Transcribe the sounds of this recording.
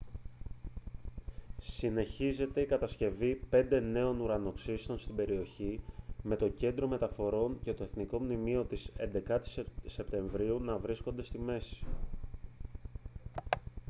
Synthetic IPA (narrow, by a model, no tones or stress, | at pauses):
sine̞çize̞t̪e̞ikɐt̪ɐsce̞vipe̞nd̪e̞ne̞o̞nuɾɐno̞ksist̪o̞nst̪ibe̞ɾio̞çime̞t̪o̞ce̞nd̪ɾo̞me̞t̪ɐfo̞ɾo̞ɲce̞t̪o̞e̞θniko̞mnimio̞t̪ise̞nd̪e̞kɐt̪i̥sse̞pt̪e̞ɱvɾiunɐvɾisko̞nd̪e̞st̪ime̞si̥